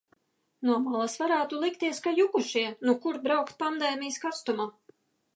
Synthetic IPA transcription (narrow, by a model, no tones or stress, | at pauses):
nuɔmalˠasvaɾaːt̪ulˠikt̪iɛskajukuʃiɛnukuɾbɾawkt̪̚pand̪ɛːmʲijskast̪uma